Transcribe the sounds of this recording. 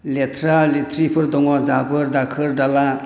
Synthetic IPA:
let̪ʰɾalet̪ʰɾipʰɯɾd̪ɔŋwazabɯɾd̪akʰɯɾɖala

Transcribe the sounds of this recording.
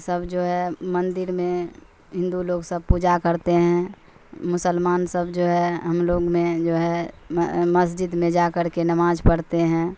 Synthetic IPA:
səbd͡ʒoːɦɛmə̃nd̪ɪɾmẽ | ɦɪ̃nd̪uloːɡsəb̚puːd͡ʒakəɾt̪eɦɛ̃ | mʊsəlmaːnsəbd͡ʒoːɦɛɦəmloːɡmẽd͡ʒoːɦɛ | məsd͡ʒɪd̪mẽd͡ʒakəɾkenəmaːd͡ʒpəɽt̪eɦɛ̃ː

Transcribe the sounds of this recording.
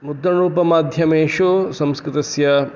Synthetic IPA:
mud̪ːɐɳɾuːpɐmaːd̪ʱjɐmeːʃosɐmskɾɪt̪ɐsjɐ

